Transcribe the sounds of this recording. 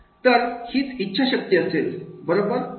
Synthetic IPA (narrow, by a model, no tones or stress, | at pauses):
t̪əɾhiːt͡sitːɕʰaɕək̚t̪iəselbəɾobəɾ